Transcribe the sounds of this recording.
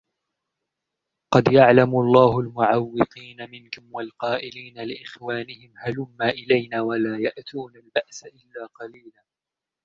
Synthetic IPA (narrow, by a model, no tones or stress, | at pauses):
qɑd̪jaʕlamʊlˤːɑːɦʊlmʊʕawːɪq̪iːnamɪnkʊmwalqɑːʔɪliːnalɪʔɪxwaːnɪhɪmhalʊmːaːʔɪlajnaːwalaːjaʔt̪uːnalbaʔsaʔɪlːaːqɑliːlaː